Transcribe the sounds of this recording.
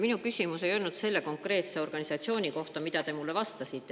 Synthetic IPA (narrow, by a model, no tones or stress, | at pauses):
minukysʲimuse̞jo̞lnut̪se̞lːe̞ko̞ŋkre̞ːt̪se̞o̞rɡ̥ɑnisɑt̪sio̞ːnʲiko̞ht̪ɑmid̪̥ɑt̪e̞mulːe̞vɑst̪ɑsit̪ːˑe